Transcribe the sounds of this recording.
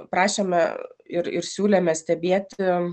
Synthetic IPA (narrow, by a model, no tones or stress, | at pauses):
pɾɑːʃʲemʲɛ̰ɪɾɪ̰ɾsʲuːlʲɛmʲɛsʲt̪ʲɛbʲeːt̪ʲɪ